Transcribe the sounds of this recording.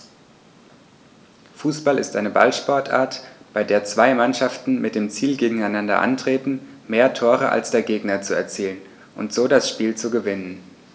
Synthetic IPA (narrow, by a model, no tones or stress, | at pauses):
fuːsb̥alɪstʔaɪnəba̰lʃpɔɐtʰʔa̰ːɐtb̥aɪdeːɐt͡sv̥aɪmanʃaftn̩mɪt̚d̥eːmt͡siːlɡeːɡŋ̩aɪnandɐ̰ʔa̰ntʁ̥eːtn̩meːɐtʰoːʁ̞əʔa̰lsd̥eːɐɡeːɡnɐt͡suɛ̰ɐt͡siːlən | ʔʊntz̥oːdasʃpiːlt͡suɡəvɪnən